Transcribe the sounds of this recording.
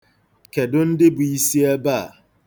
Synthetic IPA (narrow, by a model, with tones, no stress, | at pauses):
ke˨dʊ˦n̩˦dɪ˦bʊ˨i˦si˦ɛ˦baː˦˨